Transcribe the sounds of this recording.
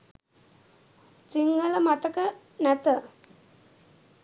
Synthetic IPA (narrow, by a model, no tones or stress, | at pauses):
t͡siŋɡələmat̪əkə | nat̪ə